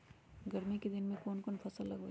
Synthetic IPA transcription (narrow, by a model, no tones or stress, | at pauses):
ɡəɾmiked̪ɪnmẽkoːnkoːnpʰəsəlːəɡo